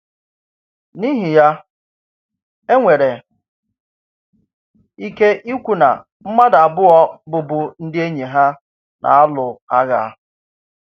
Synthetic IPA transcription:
ni˦ɦi˨ja˦ | e˦ŋʷe˨ɾe˨ | i˦ke˦ʔi˦kʷu˨na̰˨ | m̩˦ma˦da˨bʊ˦ɔ˦bʊ˨bʊ˦n̩˦dɪ˦e˦ɲe˨ɦa˦ | nʔa̰˨a˦lʊ˨a˦ɣa̰˨˦˨

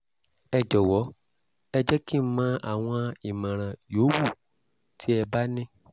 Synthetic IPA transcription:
ɛ˧d͡ʒɔ˨wɔ˨˦ | ɛ˧d͡ʒɛ˦ki˦mã˦a̰˨w̃ɔ̃˧i˨mã˨ɾ̃ã˨jo˨˦wu˦˨ | tʰi˦ɛ˧ba˦nĩ˦

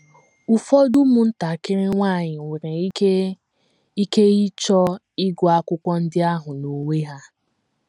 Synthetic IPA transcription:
u˨fɔ˦du˦mu˨n̩˦ta˨kɪ˦ɾɪ˦ŋʷa˦˨ɲɪ˨wʷe˨ɾe˨˦e˦ | i˦ke˦i˦t͡ʃɔ˦ | ɪ˦ɡɔ˦a˦kʷʊ˦kʷɔ˦n̩˦dɪ˦a˦ɦʊ˨no˨we˦ɦa˦

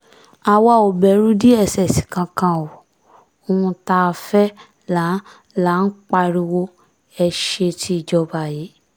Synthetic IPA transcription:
a˧wa˧˨o˨bɛ˨ɾũ˦di˦ɛ˦˨sɛ˨si̥˨kã˧kã˧o˨ | o˧ũ˧ta˧fɛ˦ | la˨˦ | la˨˦n̩˦k͡pa˧ɾi˧wo˦ | ɛ˧ʃe˧tʰi˧˦i˨d͡ʒɔ˧ba˨ji˨˦

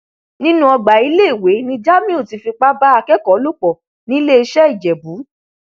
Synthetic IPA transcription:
nĩ˦nũ˦ɔ˧ɡ͡ba˨i˨˦le˦i˨we˨˦nĩ˧d͡ʒa˦mĩ˦o˦˨ti˧fi˧k͡pa˦ba˦a˧kɛ˦kɔ˨˦lu˦k͡pɔ˨ | nĩ˦le˦e˧ʃɛ˦i˦˨d͡ʒɛ˨bu˨˦

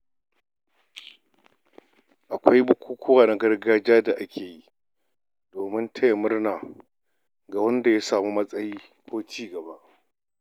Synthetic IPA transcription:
ʔa˨kʷa˦jbʊ˦kʷuː˦kʰʷʊ˦waː˨na˦ɡɐ˦rɡaː˦d͡ʒaː˦da˨ʔa˦kʲʰeː˨ji˦ | doː˨mɪ˦ntʰɐ˦ja˨mʊ˦rnaː˨ | ɡa˨wɐ˦nda˨ja˦saː˨mu˦mɐ˦sʼɐ˦jiː˦ | kʷoː˦t͡ʃiː˦ɡɐ˨ba˦ʔ

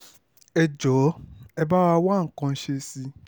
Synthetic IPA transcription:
ɛ˨d͡ʒɔ˨˦ɛ˦ba˦wa˧wa˦˨ŋ̩˨kɔ̃˧˦ʃe˧si˧

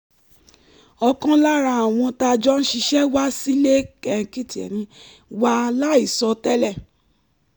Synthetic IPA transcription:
ɔ˧kã˦la˦ɾa˧˦a˨w̃ɔ̃˧ta˧d͡ʒɔ˦n̩˦ʃi˧ʃɛ˦wa˦si˦le˦kɛ˨˧ki˦ti˨ɛ̰˨nĩ˧ | wa˦la˦i˦˨sɔ˧tɛ˦lɛ˦˨

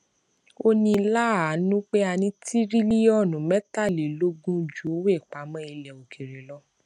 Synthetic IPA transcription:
o˦nĩ˧˦la˦a˨˦nũ˦k͡pe˦a˧nĩ˧˦tʰi˦ɾi˦li˦ɔ˦˨nũ˨mɛ˦ta˦˨le˨lo˦ɡũ˦d͡ʒu˨˦o˦we˦˨k͡pa˨˦mɔ̃˦i˧lɛ˨o˨kʰi˨ɾe˨lɔ˧˦

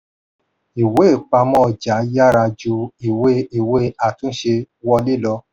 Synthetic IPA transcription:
i˨we˨˦˨k͡pa˧mɔ̃˦˨d͡ʒa˨˦ja˦˨ɾa˧d͡ʒu˧i˨we˦i˨we˦a˨tũ˦ʃe˧ | wɔ˧li˦lɔ˧

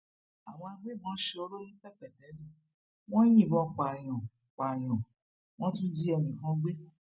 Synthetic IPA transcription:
a˨w̃ɔ̃˧a˧ɡ͡be˦˨mɔ̃˨˦ʃe˧o˧ɾo˦jĩ˦sɛ˦˨k͡pɛ˨tɛ˨˦nĩ˦˨ | w̃ɔ̃˦j̃ĩ˦˨bɔ˧˦k͡pa˨j̃ɔ̃˨ | k͡pa˨j̃ɔ̃˨ | w̃ɔ̃˦tũ˦d͡ʒi˦ɛ˧˨mĩ˨kã˦ɡ͡be˦

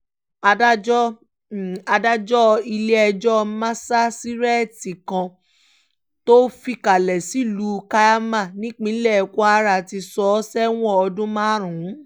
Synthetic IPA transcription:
a˧da˦d͡ʒɔ˦˨ | a˧da˦d͡ʒɔ˦˧i˧le˦ɛ˧d͡ʒɔ˦˧mã˦sa˦si˦ɾɛ˦˨ti˨kã˧ | to˦fi˧ka˨lɛ˨si˨˦lu˨˧ka˧ja˦mã˦˨nĩ˦k͡pĩ˦lɛ˦˨kʷɔ˦a˦˧ɾa˧˨ti˧sɔ˧˦sɛ˦w̃ɔ̃˦ɔ˧dũ˦mã˦˨ɾ̃ũ˨˦

